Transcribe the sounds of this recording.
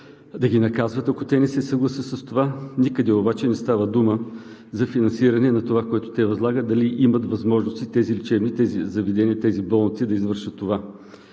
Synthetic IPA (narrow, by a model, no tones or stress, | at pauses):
d̪ɐɡʲinɐkazvət̪ɐkot̪ɛnɛsɛsɐɡlˠɐsəsɐst̪ovanikəd̪ɛobat͡ʃɛnɛst̪avəd̪umə | zɐfinɐnsiɾɐnɛnɐt̪ovakoɛt̪o̥t̪ɛvɐzlˠaɡəd̪ɐliʔimət̪vɐzmɔʒnost̪it̪ɛzilit͡ʃɛvnit̪ɛzizɐvɛd̪ɛniət̪ɛzibɔlˠnit̪sid̪ɐizvɤɾʃət̪ːova